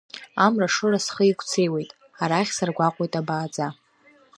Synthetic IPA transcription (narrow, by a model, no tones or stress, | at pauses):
amraʂɨrasχəikʷʰʼt͡sʰe̞jwe̞jtʼ | aɾaχʲsarɡʷaqʷʼojtʼabaːd͡za